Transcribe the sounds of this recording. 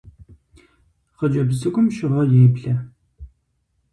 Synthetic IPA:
χəd͡ʒɐbzɨɡʷʼʊmʃɪʁɐjeːbɮɐ

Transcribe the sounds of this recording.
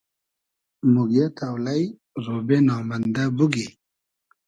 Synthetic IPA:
muɡet̪ʰawlaj | zoːbenɑːmand̪abuɡi

